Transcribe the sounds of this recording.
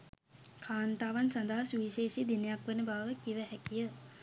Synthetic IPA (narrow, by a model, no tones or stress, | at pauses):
kʰaːnt̪aːʋansand̪aɦsuiːʃeːʃid̪inəjakʋenəbaʋʋəkiʋəɦækijə